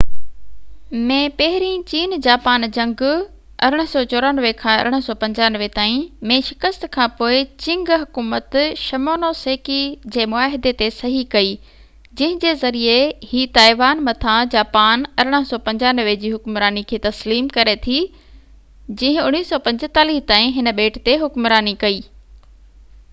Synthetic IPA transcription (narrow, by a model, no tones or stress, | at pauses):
mẽːpɐɦɪɾĩt͡ɕiːnd͡ʑaːpaːnd͡ʑɐ̃ŋɡʊ | ɐɾʊɽ̃ə̆sɔːt͡ɕoːɾaːnəʋekʰãːɐ̰ɾʊɽ̃sɔːpɐ̃ɲd͡ʑaːnəʋet̪aːĩmẽʃɪkəst̪kʰãːpoːɪt͡ɕɪ̃ŋɡɦʊkuːmət̪ʃɐmoːnoːseːkid͡ʑeːmʊaːɦɪd̪et̪esɐɦikɐi | d͡ʑɐ̃ɦɪ̃d͡ʑeːzɐɾiehiːt̪aːɪʋaːnmɐt̪ʰad͡ʑaːpaːnɐɾʊɽ̃ə̆sɔpɐ̃ɲd͡ʑaːnəʋed͡ʑiːɦʊkmɾaːnikʰeːt̪ɐsliːmkɐɾet̪ʰi | d͡ʑɐ̃ɦɪ̃ʊɽ̃iːsɔːpɐ̃ɲd͡ʑt̪aːliːɦt̪aːĩɦɪnə̆ɓeːʈʰt̪eɦʊkmɾaːnikɐiː